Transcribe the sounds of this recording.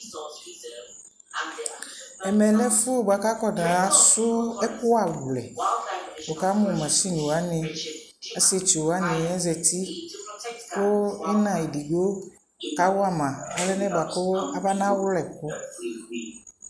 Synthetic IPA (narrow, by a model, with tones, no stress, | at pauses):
ɛ˨mɛ˨lɛ˦fʊ˦˨ba˨˦ka˦kɔ˦dã˨a˨˦sʊ˦ɛ˦kʊ˦a˨wu˨lɛ̰˨ | ɔ˨ka˨˦mʊ̃˨mã˨si˦ɲũ˨a˦nɪ̃˨ | a˦se˦t͡ʃi˨o˨a˨˦nɪ̃˨ɛ˦zɛ˨t̪i˦ | kʊ˦ɪ˦nã˨e˨di˨ɡo˦ | ka˨˦wʊ˦a˦mã˨a˦lɛ˦nɛ̃˦ba˨kʊ˦a˦ba˦nã˦wʊ˦lɛ˨kʊ˦